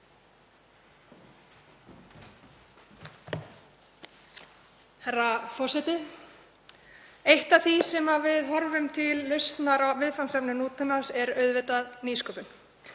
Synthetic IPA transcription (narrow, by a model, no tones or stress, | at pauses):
harafɔr̥sɛt̪ɪ | ejht̪aθisɛmavɪðɦɔɾvʏmt̪ʰɪlːœst̪naɾavɪðfansɛpnʏnuːt̪ʰʏmansɛɾœɥðvɪt̪aðniːskɔːpʏn̥